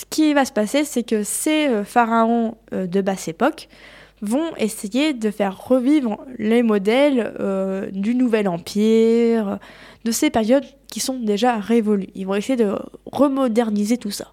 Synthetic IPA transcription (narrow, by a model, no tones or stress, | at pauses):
sə̥kʲivasə̥pasesɛkəseøfaʁaɔ̃ød̪əbasepɔk | vɔ̃esejed̪əfɛʁːəvivʁlemɔd̪ɛlød̪ynuvɛlɑ̃pʰiʁød̪əsepɛʁjɔd̪ | kʲisɔ̃d̪eʒaʁevɔlyḭlvɔ̃esejed̪əʁəmɔd̪ɛʁnizet̪usa̰